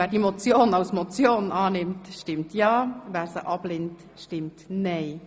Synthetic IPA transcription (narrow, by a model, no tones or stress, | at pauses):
æːɾdimot͡sjoːnɑwsmɔt͡sjoːnʔɑːnɪmtʃtɪmtjɑːvæːɾsəʔɑb̥lent | ʃtɪmtneɪ